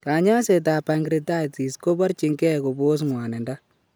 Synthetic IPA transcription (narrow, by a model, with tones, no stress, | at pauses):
ka˨ɲa˦se˨t̬a˨pa˨ŋɡɾi˨ta˦˨ti˨sko˦ba˦ɾt͡ʃi˨ŋɡɛ˦ko˨bo˦s̬ŋwa˨nɛ˨nda˦